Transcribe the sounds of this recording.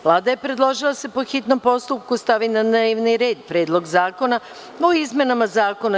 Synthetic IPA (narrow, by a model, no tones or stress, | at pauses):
ʋlˠaːd̪ajepɾe̞d̪lˠo̞ʒilˠase̞po̞xit̪no̞mpo̞st̪up̚kust̪aʋinanaiʋniɾe̞ːd̪pɾe̞ːd̪lˠo̞ɡzaːko̞na | oizme̞namazaːko̞na